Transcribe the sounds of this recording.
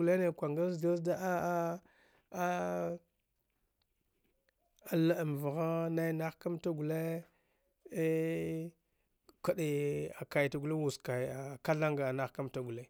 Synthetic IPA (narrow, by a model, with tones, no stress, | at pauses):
le˦ne˨kʷa˨ŋɡa˦so˦sda˦ʔa˦ | a˨la˦˨m˨va˨ɣa˦na˦jna˦xka˦mta˦ɡu˨le˦ | ka˨ɗe˨a˨ka˨jta˨ɡu˨le˦wu˨ska˨a˨ka˦ɮa˦ŋɡa˨na˦xka˦mta˦ɡu˨le˦